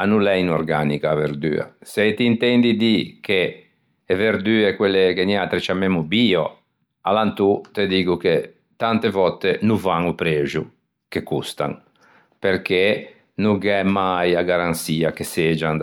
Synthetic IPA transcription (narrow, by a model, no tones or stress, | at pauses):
anulɛinɔɾɡanikaːveɾd̪y̰ːa̰set̪iːnt̪ɛnd̪id̪ikʰeː | veɾd̪yːekwelːekenat̪ɾet͡ʃamːemubiːɔ | a̰lant̪ut̪ed̪iːɡuke | t̪ant̪evɔt̪ːenuvaŋupɾeːʒu | kekust̪a̰ŋ | peɾke | nuɡɛmajaɡaɾansiːakesed͡ʒan